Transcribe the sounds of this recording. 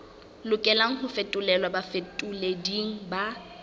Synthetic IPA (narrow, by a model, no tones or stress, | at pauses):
lʊkʼɛlaŋ̩hʊfetʼʊlɛlwabafetʼʊlediŋ̩ba